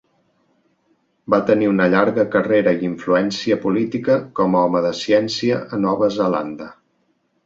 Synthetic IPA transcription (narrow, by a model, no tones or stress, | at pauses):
bat̪əniunəʎaɾɣəkəreɾəiiɱfluɛnsiəpulit̪ikəkɔmɔməðəsiɛnsiəʔənɔβəzəla̰nd̪ə